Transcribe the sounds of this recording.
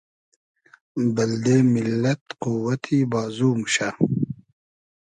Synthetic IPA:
bɐld̪eːmilːɐt̪quwɐt̪ʰibaːzuːmuɕa

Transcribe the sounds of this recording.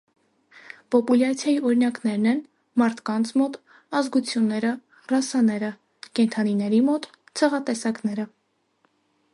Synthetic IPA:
pɔpuljɑt͡sʰjɑjiɔɾinɑknɛɾnɛn | mɑɾt̪ʰkɑnt͡sʰmɔt̪ | ɑzɡut͡sʰjunːɛɾə | rɑsɑnɛɾə | kɛnt̪ʰɑninɛɾimɔt̪ | t͡sʰɛʁɑt̪ɛsɑknɛɾə

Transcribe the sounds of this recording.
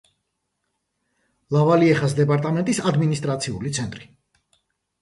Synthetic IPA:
lavaliɛχas̬d̪ɛpʼaɾt̪ʼamɛnt̪ʼisad̪minist̪ʼɾat̪sʰiulit̪sʰɛnt̪ʼɾi

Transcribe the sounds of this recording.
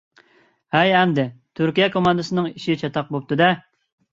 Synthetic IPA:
hɛjɛmd̪ɪt̪ʰyɾkʲijɛkʰomɑnd̪ɨsɨnɨŋiʃit͡ʃʰɑt̪ʰɑq̚bop̚t̪ɨd̪ɛ

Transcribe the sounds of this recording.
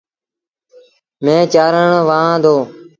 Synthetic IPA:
mẽːt͡ʃaːɾəɳʋaːãːd̪oː

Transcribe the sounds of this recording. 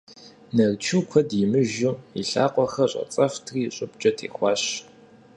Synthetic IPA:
nɐrt͡ʃʰɨːkʷʰɐdjɪmɨʒuḭɬa̰ːqʷʼɔxɐɕʼɐ̰t͡sʼɐftʰriːɕʼʊp̚t͡ʃʼɐtʰḛːxʷɑːɕ

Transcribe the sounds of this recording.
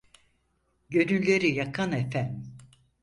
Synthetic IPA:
ɟø̞nynlʲe̞ɾijakʰanefæn

